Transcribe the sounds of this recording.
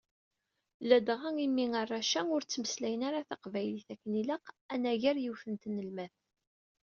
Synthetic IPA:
læd̪ʁaimːiŋɑrˤːɑʃæʊɾt͡sːməslæjənaɾaθaqvæjliθækːəniləqænæʝæɾjiwfənt̪nəlmæθ

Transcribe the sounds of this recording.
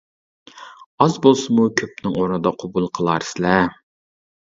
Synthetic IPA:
ɑzbolˠsɨmukʲʰøp̚nɪŋoɾnɨd̪ɑqʰobulˠqʰəlˠɑɾsɪlɛ

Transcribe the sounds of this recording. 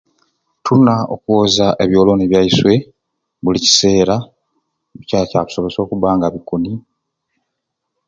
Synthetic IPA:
tʰunao̰kuozaʔe̞βjo̞ːlo̞niβjaiswe̞ | βulici̥se̞ːɾa | βicaːcaːβu̥so̞βe̞so̞ːkuβaːŋɡaβikuni

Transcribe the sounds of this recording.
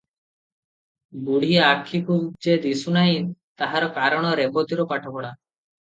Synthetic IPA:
buɽ̤iakʰːikud͡ʒed̪isunaɦĩt̪aɦaɾɔkaɾɔɽ̃ɔɾebɔt̪iɾɔpaʈʰɔbɔɽa

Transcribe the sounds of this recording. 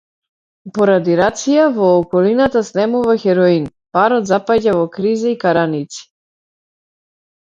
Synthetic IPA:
pɔɾad̪iɾat̪sijavɔːkɔlinat̪asnɛmuvaxɛɾɔinpaɾɔt̪zapaɟavɔkɾizaikaɾanit̪si̥

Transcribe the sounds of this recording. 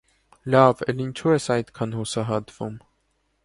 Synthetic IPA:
lɑvɛlint͡ʃʰuɛsɑjt̪kʰɑnhusɑɦɑt̪v̥um

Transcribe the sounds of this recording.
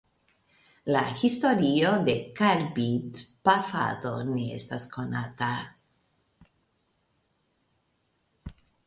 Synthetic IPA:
laxist̪oɾiod̪ekaɾbit̪pafa̰t̪o̰neḛst̪askonat̪a

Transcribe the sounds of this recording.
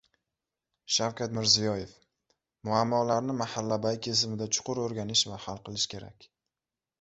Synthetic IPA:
ʃawkʲat̪mɪɾzijɒje̞f | mʊamːɒlaɾnɪmahalːabajkʲʰez̬ɪmɪd̪at͡ʃʰʊ̥qʰʊɾoɾɡʲanɪʃvahalˠqɨlˠɪʃkʲʰe̞ɾa̰kʲ

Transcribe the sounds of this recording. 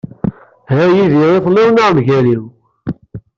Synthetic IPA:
hæjiðiʁeθlɪwnaʁmʝæliw

